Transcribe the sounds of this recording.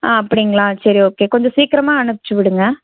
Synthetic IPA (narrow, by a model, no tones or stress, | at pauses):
aːɐpːɐɽɪŋɡɐɭãːsɐɾioːkeːkɔɲd͡ʒɐsiːkɪɾɐmaːɐɳɯpːɪ̥t͡ʃːɯʋɪɽɯŋɡɐ